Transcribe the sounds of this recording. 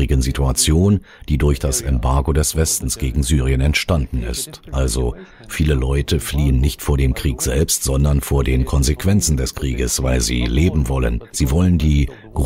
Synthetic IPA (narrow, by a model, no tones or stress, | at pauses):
ɪɡənzitʰuat͡sjoːn | d̥iːdʊɐçd̥asʔɛmbaɐɡodɛsv̥ɛstn̩sɡ̥eːɡŋ̩zyːʁiənɛntʃtandn̩ɪ̰stʔalzo | fiːləlɔʏtʰəfliːənːɪçtfoːɐdeːmkʁ̥iːkz̥ɛlpstz̥ɔndɐnfoːɐdeːnkʰɔnzekv̥ɛnt͡sn̩dɛskʁ̥iːɡəsv̥aɪlzḭːleːbm̩vɔlə̰nz̥iːvɔləndiː | ɡ̥ʁ